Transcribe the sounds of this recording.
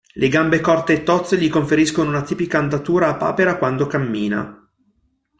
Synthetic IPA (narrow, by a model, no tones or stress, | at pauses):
lʔeɡambekɔrt̪eːt̪ːɔt̪sːeʎikoɱfeɾiskonounat̪iːpikaːnd̪at̪uːɾaːpːa̰ːpeɾakwand̪okamːiːna̰